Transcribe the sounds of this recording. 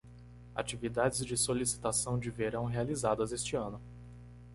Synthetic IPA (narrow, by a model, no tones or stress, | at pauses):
a̰t͡ʃivid̪ad͡ʒɪzd͡ʒɪsolisi̥t̪asɐ̃w̃d͡ʒɪveɾɐ̃w̃ɦealizad̪ɐzest͡ʃɪɐ̃nʊ